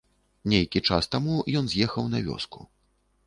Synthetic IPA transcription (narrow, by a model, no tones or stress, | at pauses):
nʲejkʲit͡ʂast̪amujɔnzʲjɛxɐwnavʲɔ̰skṵ